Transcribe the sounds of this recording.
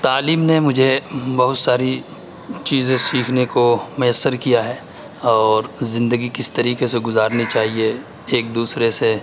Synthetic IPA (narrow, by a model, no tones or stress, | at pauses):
t̪aːliːmnemʊd͡ʒʱebɐɦʊt̪saːɾi | t͡ʃiːzẽsiːkʰnekomʊjəsːəɾkijaɦɛː | ɔːɾzɪ̃nd̪əɡikɪst̪ɐɾiːkeseɡʊzaːɾnit͡ʃaːɦie | eːk̚d̪uːsɾese